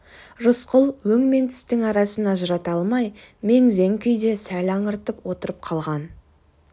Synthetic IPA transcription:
ʒʊsqʰʊlˠwɵŋme̞nt̪ʰʏ̥st̪ɪŋɑɾɑsənɑʒəɾɑt̪ɑlˠmɑjme̞ŋze̞ŋkʲʰʏjd̪e̞sælɑɴəɾt̪əpwo̞t̪əɾəp̚qʰɑlˠʁɑn

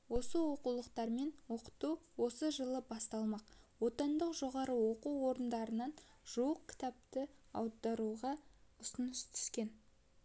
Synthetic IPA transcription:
wo̞səwo̞qulˠəqt̪ɑɾme̞nwo̞qə̥t̪uwo̞səʒəlˠəbɑst̪ɑlˠmɑqwo̞t̪ɑnd̪əqʒo̞ʁɑɾəwo̞quwo̞ɾənd̪ɑɾənɑnʒ̥uəq̚kʲʰɪ̥t̪ɑp̚t̪əɑ̰wd̪ɑɾuʁɑʊsənəst̪ʰʏ̥skʲe̞n

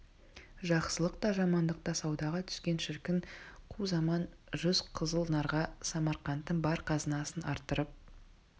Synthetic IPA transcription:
ʒɑqsəlˠəq̚t̪ɑʒɑmɑnd̪əq̚t̪ɑsɑwd̪ɑʁɑt̪ʰʏ̥skʲe̞nʃɪɾkʲɪŋqʰuzɑmɑn | ʒʏzqʰəzəlˠnɑɾʁɑsɑmɑɾqɑnt̪ːəɴbɑɾqʰɑzənɑsənɑɾt̪ːəɾəp̚

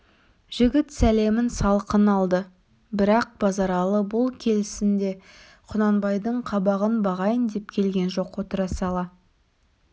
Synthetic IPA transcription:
ʒ̥ɪɡʲɪt̪sæle̞mɪnsɑlˠqənɑlˠd̪ə | bɪɾɑq̚bɑzɑɾɑlˠəbʊlˠkʲʰe̞lɪsɪnd̪e̞ | qʰʊnɑnbɑjd̪əɴqʰɑbɑʁənbɑʁɑjənd̪e̞p̚kʲʰe̞lɡʲe̞nʒo̞qo̞t̪əɾɑsɑlˠɑ

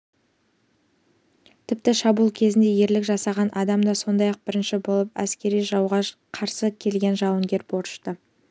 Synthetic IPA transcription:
t̪ʰɪp̚t̪ɪʃɑbulˠkʲʰe̞zɪnd̪e̞je̞ɾlɪkʒɑsɑʁɑnʔɑd̪ɑmd̪ɑso̞nd̪ɑjɑq̚bɪɾɪnʃɪbo̞lˠəpæ̰skʲe̞ɾijʒɑwʁɑ | qʰɑɾsəkʲʰe̞lɡʲe̞nʒɑwəŋɡʲe̞ɾbo̞ɾʃt̪ə

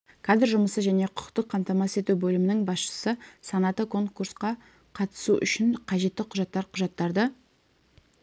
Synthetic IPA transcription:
kʰɑd̪ɪɾʒʊməsəʒæne̞qʰʊ̥qt̪əqʰːɑmt̪ɑmɑse̞t̪ubɵlɪmɪnɪŋbɑsʃə̥səsɑnɑt̪əkʰo̞ŋkuɾsqɑ | qʰɑt̪ə̥suʔʏ̰ʃɪɴqʰɑʒe̞t̪ːɪqʰʊʒɑt̪ːɑɾqʰʊʒɑt̪ːɑɾd̪ə

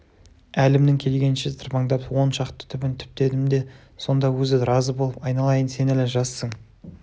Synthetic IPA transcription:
ælɪmd̪ɪŋkʲʰe̞lɡʲe̞nʃɪzt̪ʰɪɾpɑɴd̪ɑpwo̞nʃɑqt̪ə̥t̪ʰʏbɪnt̪ʰʏ̥p̚t̪e̞d̪ɪmd̪e̞ | so̞nd̪ɑwɵzɪɾɑzəbolˠəpɑjnɑlˠɑjənse̞næleʒɑsːəɴ

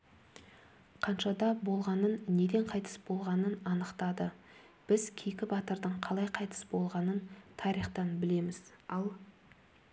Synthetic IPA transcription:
qʰɑnʃɑd̪ɑbo̞lˠʁɑnənːe̞d̪e̞ɴqʰɑjt̪ə̥sbo̞lˠʁɑnənɑnəqt̪ɑd̪ə | b̥ɪzkʲʰekʲɪbɑt̪əɾd̪əɴqʰɑlˠɑjqʰɑjt̪ə̥sbo̞lˠʁɑnənt̪ʰɑɾijχt̪ɑnbɪle̞mɪz̥ɑlˠ

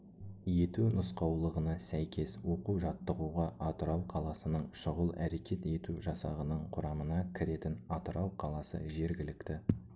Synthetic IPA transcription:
je̞t̪unʊsqɑwlˠəʁənɑsæjkʲʰe̞swo̞quʒɑt̪ːəʁuʁɑʔɑt̪əɾɑwqʰɑlˠɑsənəɴʃʊʁəlˠæɾe̞kʲe̞t̪e̞t̪uʒɑsɑ̰ʁənəɴqʰʊɾɑmənɑkʲʰɪɾe̞t̪ɪnɑt̪əɾɑwqʰɑlˠɑsə̰ʒe̞ɾɡʲɪlɪkt̪ɪ

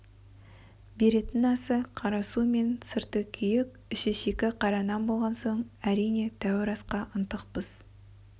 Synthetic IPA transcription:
be̞ɾe̞t̪ɪnɑsəqʰɑɾɑsume̞nsəɾt̪əkʲʰʏjɪkʲ | ɪʃeʃekʲɪqʰɑɾɑnɑnbo̞lˠʁɑnso̞ɴæɾijne̞t̪ʰæwɪɾɑsqɑʔənt̪əq̚pəz̥

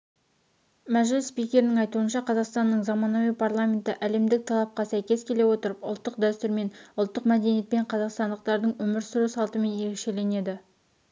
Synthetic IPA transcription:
mæʒɪlɪsspijkʲe̞ɾɪnɪŋɑjt̪uənʃɑqʰɑzɑqst̪ɑnːəɴzɑmɑnɑwijpʰarlˠamʲe̞nt̪ɪʔæle̞md̪ɪk̚t̪ʰɑlˠɑp̚qɑsæjkʲe̞szkʲʰe̞le̞wo̞t̪əɾəpʊ̰lˠt̪ːəq̚d̪æst̪ʊɾme̞nʊlˠt̪ːəqmæd̪enijet̪̚pe̞ɴqʰɑzɑqst̪ɑnd̪əq̚t̪ɑɾd̪əɴwɵmɪɾsʊɾusɑlˠt̪əme̞nje̞ɾe̞kʃe̞le̞ne̞d̪ɪ

